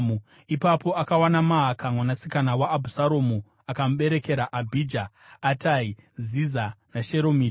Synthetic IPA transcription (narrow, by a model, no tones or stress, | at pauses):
mu | ipapo̞akawanamaɦakʰamwanasikanawaːbʱusaɾoːmu | akamuɓe̞ɾe̞ke̞ɾaʔabʱid͡ʒaː | taizizanaʃe̞ɾomiː